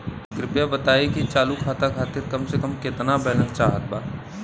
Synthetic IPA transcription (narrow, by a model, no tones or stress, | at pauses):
kɾɪpjabɐt̪aːekit͡ʃaːlukʰaːt̪akʰaːt̪ɪɾkɐmsekəmkɪt̪nabɛɦlat͡ʃaːɦət̪̚baː